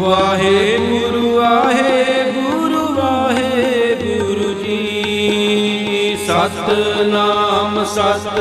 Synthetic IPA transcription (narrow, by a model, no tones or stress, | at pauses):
ʋaɦemuɾuaɦebuɾuʋaɦebuɾud͡ʒi | isat̪naːmsat̪